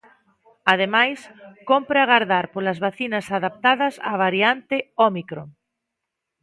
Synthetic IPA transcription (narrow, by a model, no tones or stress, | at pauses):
að̞emajskompɾaɣaɾðaɾpolɐzβaθinɐsaðap̚t̪aðɐsa̰βaɾiant̪ɪɔmikɾoŋ